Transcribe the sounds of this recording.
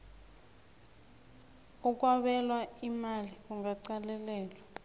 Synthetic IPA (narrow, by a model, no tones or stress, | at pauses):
uk̬ʼwaɓɛlwaimalik̬ʼuŋaǀalɛlɛːlwa